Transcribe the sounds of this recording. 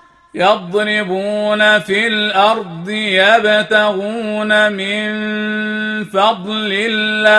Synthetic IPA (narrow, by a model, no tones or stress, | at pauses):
jɑðˤnɪbuːnafilʔɑɾˤd̪ˤɨjabt̪aɣuːnamɪn | fɑd̪ˤlɪlːa